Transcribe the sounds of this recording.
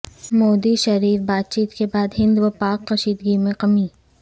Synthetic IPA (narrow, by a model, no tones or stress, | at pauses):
moːd̪iʃɐɾiːfbaːt̪̚t͡ʃiːt̪kebaːd̪ɦɪ̃nd̪ʋɐpaːqːɐʃiːd̪ɡimẽqɐmiː